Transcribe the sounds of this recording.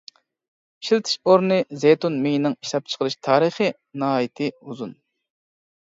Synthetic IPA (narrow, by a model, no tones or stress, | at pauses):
ʃilt̪ʰɪ̥ʃoɾnɨzejt̪unmeŋinɨŋiʃlˠɑp̚t͡ʃʰə̥qəɾɨʃt̪ʰɑːɾɨχi | nɑːjit̪ʰɪuzun